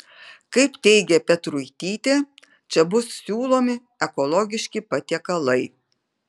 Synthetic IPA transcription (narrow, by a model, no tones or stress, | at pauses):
kɐɪpt̪ʲɛɪɡʲɛpʲɛt̪ɾʊjt̪ʲiːt̪ʲeː | t͡ʃʲɛbʊssʲuːlˠoːmʲɪ | ɛkɔlˠɔːɡʲɪʃʲkʲɪpɐt̪ʲiɛkɐlˠɐɪ